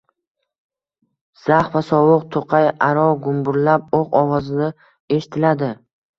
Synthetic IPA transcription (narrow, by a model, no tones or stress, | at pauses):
z̥aχvasɒwʊq̚t̪ʰoqʰɑjaɾɒɡʊmbʊɾlap̚oqɒwɒzɪna | eʃɪ̥t̪ʰɪlad̪ɪ